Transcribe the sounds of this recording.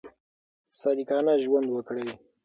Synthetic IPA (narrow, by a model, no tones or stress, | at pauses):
salikɑnaʒwand̪wəkɽej